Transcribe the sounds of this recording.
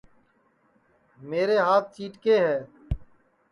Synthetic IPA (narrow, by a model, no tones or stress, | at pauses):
meːɾeːɦaːt̪̚ʰt͡ʃiːʈkeːɦɛː